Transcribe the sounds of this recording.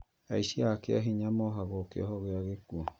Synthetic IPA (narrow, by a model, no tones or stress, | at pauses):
aiʃiakea̰ɦiɲamɔɦaɣɔkḛɔ̰ɦɔɣeaɣekuo